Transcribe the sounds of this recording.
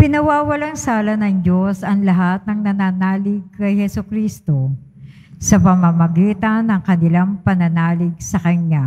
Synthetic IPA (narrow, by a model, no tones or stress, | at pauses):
pɪnɐwaːwɐlaŋsaːlɐnɐŋd͡ʒo̞sɐŋlɐɦat̪̚nɐŋnɐnaːnaːlɪɡ̚kɐjhɛsokɾist̪o̞ | sɐpɐmamɐɡiːt̪ɐnːɐŋkɐnɪlaŋpɐnɐnaːlɪɡ̚sɐkɐɲja